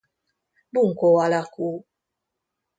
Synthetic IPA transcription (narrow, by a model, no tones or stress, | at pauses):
buŋ̩kowalaku